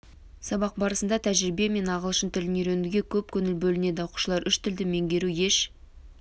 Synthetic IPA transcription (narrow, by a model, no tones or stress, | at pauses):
sɑbɑq̚bɑɾəsənd̪ɑt̪ʰæʒɾibe̞me̞nɑʁəlˠəʃənt̪ʰɪlɪnjeɾenuɡʲe̞kʲʰɵp̚kʲʰɵnɪlbɵlɪne̞d̪ɪɑwqu̥ʃəlˠɑɾʏʃt̪ʰɪld̪ɪme̞ŋɡʲe̞ɾuje̞ʃ